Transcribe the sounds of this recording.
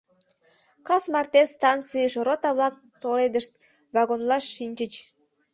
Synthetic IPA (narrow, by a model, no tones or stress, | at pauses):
kɑsmɑrt̪est̪ɑnt͡sɨjəʃrot̪ɑβlɑk̚ | t̪oled̪əʃt̪̚ | βɑɣonlɑʃːinʲt͡ɕət͡ɕ